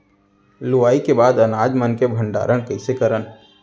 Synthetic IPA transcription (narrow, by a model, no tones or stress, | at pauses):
luʋaːikebaːd̪ənad͡ʒmənkebʱəɳɖa̰ɾəɽkəɪsekəɾən